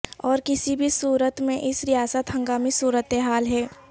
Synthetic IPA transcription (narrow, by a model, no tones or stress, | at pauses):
ɔːɾkɪsibʱisuːɾət̪mẽʔɪsɾijaːsət̪ɦɐ̃ŋɡaːmisuːɾət̪eɦaːlɦɛː